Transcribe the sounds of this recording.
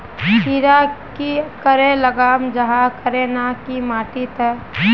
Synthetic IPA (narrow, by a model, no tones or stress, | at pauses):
pʰiːɾakikəɾeləɡaːmd͡ʒəɦakəɾenakimaːʈit̪ə